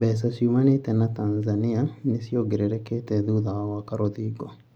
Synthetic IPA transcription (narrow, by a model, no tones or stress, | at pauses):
bɛːs̬asjumanetɛnataːnzanianisioɡiɾeɾɛketɛðuðawakaɾoðiːɡo